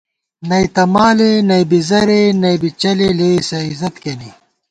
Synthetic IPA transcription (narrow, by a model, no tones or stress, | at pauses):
nɐjt̪ɐmaːlenɐjbizɐɾenɐibit͡ɕɐleleːsɐizɐt̪keni